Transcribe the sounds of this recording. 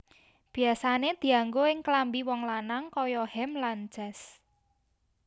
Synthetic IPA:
b̥i̤asaned̪̥i̤aŋɡoɪŋklambiwɔŋlanaŋkɔjɔhɛmland͡ʒ̥ɛs

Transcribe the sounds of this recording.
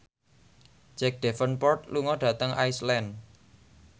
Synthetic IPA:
d͡ʒ̥ɛk̚ɖ̥ɛfənpɔrt̪luŋɔɖ̥ä̤t̪əŋʔajslɛn

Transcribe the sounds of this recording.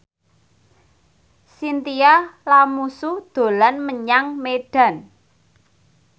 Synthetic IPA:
sint̪ialamusud̪̥o̤lanməɲaŋmeɖ̥ä̤n

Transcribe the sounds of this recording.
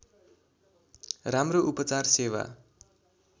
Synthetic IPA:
ramroʔupʌt͡sarsewa̰

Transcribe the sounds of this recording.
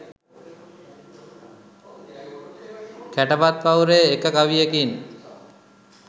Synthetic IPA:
kæʈəpat̪̚pawɾeekəkaʋijekin

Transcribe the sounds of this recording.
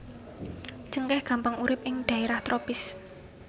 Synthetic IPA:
t͡ʃəŋkɛhɡ̥a̤mpaŋuɾɪpɪŋd̪̥a̤eɾaht̪ɾopɪs

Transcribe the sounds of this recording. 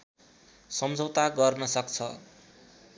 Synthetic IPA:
sʌmd͡zʱʌwt̪aɡʌrnʌsʌkt͡sʰʌ

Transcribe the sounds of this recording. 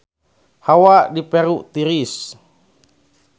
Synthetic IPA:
hawaʔdipɛɾuʔt̪iɾis

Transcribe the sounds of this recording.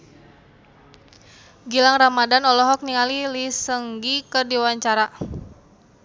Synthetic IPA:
ɡilaŋramadanɔlɔɦɔk̚niŋalilisəŋɡikərdiwaɲt͡ʃaɾa

